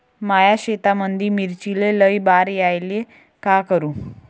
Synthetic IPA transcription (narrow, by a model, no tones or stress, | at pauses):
majaɕet̪amənd̪ʱiːmiɾt͡ɕileləjbaɾjajle | kakəɾũː